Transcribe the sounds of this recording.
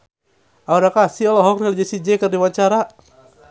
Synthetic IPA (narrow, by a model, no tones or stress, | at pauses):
ʔauɾakasiɔlɔɦɔk̚nild͡ʒɛsid͡ʒɛkərdiwaɲt͡ʃaɾa